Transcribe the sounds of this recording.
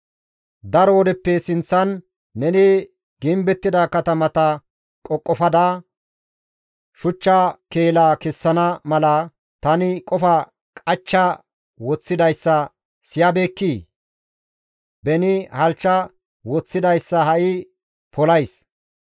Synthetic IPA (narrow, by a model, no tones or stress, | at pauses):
d̪ɐɾɔwɔd̪ɛpːɛsɪnt͡sːɐnː | ɛnɪ | ɡɪmbɛt̪ːɪd̪ɐkɐt̪ɐmɐt̪ɐ | kʼɔkʼːɔfɐd̪aː | ʃʊt͡ʃːɐkeːlaːkɛsːɐnɐmɐlɐ | t̪ɐnɪkʼɔfɐ | kʼɐt͡ʃːɐ | wɔt͡sːɪd̪ɐjsːɐ | sɪjɐbe̞ːkːiː | bɛnɪhɐlt͡ʃːɐ | wɔt͡sːɪd̪ɐjsːɐhɐʔɪ | pʰɔlɐjs